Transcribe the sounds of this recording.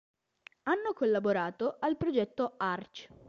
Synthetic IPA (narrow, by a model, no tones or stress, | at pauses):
anːokolːaboɾaːt̪oʔalpɾod͡ʒɛt̪ːoart͡ʃ